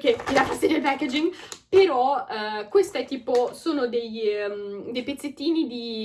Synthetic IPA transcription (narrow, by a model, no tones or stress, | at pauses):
keelafast̪ːed̪elpɛked͡ʒiŋpeɾɔkwest̪aɛt̪ːiːposoːnod̪ejmd̪ejpet̪sːet̪ːiːnid̪i